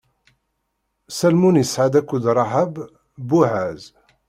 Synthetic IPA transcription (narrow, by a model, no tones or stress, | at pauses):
sælmunjəsʕad̪ækud̪ɾˤɑɦab | buʕæz